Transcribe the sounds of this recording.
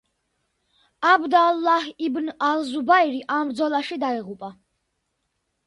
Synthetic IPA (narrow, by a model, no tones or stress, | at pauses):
abd̪alːahibnalzubaiɾiʔamɾd̪zɔlˠaʃid̪aiʁupʼa